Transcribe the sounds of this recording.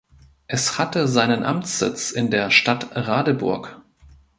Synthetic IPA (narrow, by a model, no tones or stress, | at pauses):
ʔɛshatəzaɪnənʔa̰mt͡sz̥ɪ̰t͡sɪndeːɐʃtatʁaːdəbʊ̰ɐk